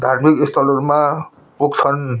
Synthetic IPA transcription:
d̪ʱarmikist̪ʰʌlorma | puk̚t͡sʰʌn

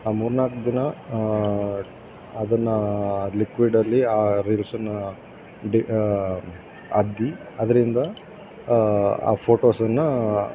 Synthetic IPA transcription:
aːmuːɾnaːkd͡ʒ̪ɐnɐ | ɐd̪ɐnːɐlikʋiɖɐlːiaːɾilsɐnːɐ | ɖi | ɐd̪ːi | ɐd̪ɐɾind̪ɐ | a̰ːpʰoːʈoːsɐnːɐ

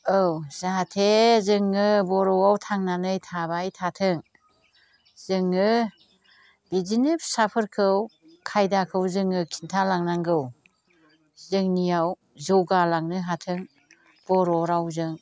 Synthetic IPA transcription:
ɯwz̥aɦatʰezɯŋɯbɔɾɔwawtʰaŋnanɯjtʰabajtʰatʰɯŋ | z̥ɯŋɯ | b̥izinip̚sapʰɯɾkʰɯw | kʰajdakʰɯwzɯŋɯkʰintʰalaŋnaŋɡɯw | zɯŋnijaw | zɔɡalaŋnɯɦatʰɯŋ | b̥ɔɾɔɾawzɯŋ

